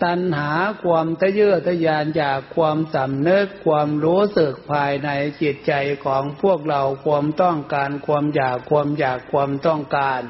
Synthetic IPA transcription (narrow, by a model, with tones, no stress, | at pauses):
t̪a˧nhaː˩˦kʰwaː˧mt̪ʰa˧˥jɯː˥˩t̪ʰːa˧˩jaː˧njaː˨˩kkʰːwaː˧msa˨˩˦mnɯ˦˥˩kʰːwaː˧mɾuː˦˥sɯ˨˩k̚pʰaː˧jna˧jt͡ɕi˨˩t̪̚t͡ɕa˧jkʰɔː˩˦ŋpʰu˥˩ək̚ɾa˧wkʰa˧əmt̪ɔ˥˩ŋkaː˧nkʰa˧mjaː˨˩kʰːu˧əmjaː˨˩kʰːa˧mt̪ɔ˥˩ŋkaː˧n